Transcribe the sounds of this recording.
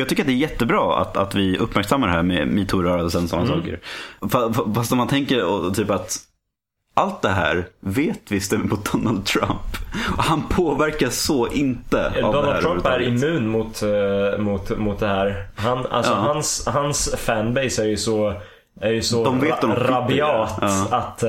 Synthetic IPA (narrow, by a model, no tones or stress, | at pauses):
jɑːɡt̪ʏkːɾat̪̚d̪ɛæːɾjɛt̪ːəbɾɑːa̰t̪a̰t̪vɪɵpːmæɾksamːaɖ̪ɛɦæːɾmɛ̰miːt̪ʰuːɾœːɾad̪əsɛnːsɔnːasɑ̰ːkə̰ɾfaffast̪ɔmːant̪ʰɛŋkəɾɔt̪ʰyːpat̪ | ʔalt̪̚d̪ɛɦæ̰ːɾveːt̪vɪst̪əmmʊt̪̚d̪ɔnald̪̚t̪ʰɾa̰mpɔhanpʰoːvæɾkaʂɔʔɪnt̪əda̰vd̪ɔnæːɾɾaɾʉtæɾəɪmʉ̟ːnmʊt̪mʊt̪mʊt̪̚d̪ɛhæːɾhana̰lsɑɔːhanshansfænbeɪsæɾjɵsɔ | æɾjɵsɔd̪ɔmveːt̪ɔmɾabɪɑːt̪ːat̪